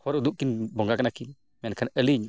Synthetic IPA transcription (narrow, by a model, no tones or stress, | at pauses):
hoɾud̪ukːinboŋɡakanakin | menkanəliɲu